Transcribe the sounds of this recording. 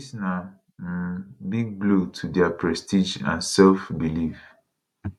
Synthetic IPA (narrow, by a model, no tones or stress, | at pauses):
sna | biɡ̚blutʰudɛapʰɹɛstid͡ʒã̰nsɛlfbilif